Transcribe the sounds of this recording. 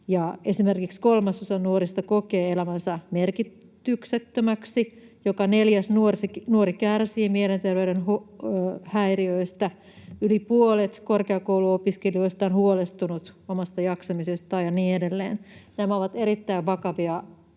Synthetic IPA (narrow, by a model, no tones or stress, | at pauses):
jɑesimerkikskolmɑsosɑnnuorist̪ɑkokeːelæmænsɑmerkit | t̪ykset̪ːømæksijokɑneljæsnuorsinuoɾikærsiːmielent̪erʋeyɾenhu | hæiriøist̪æ | ylipuolet̪korkeɑkouluopiskelioist̪ɑnhuolest̪unut̪omɑst̪ɑjɑksɑmisest̪ɑːjɑniːedelːḛːnnæmæoʋɑt̪eɾit̪ːæiʋʋɑkɑʋiɑ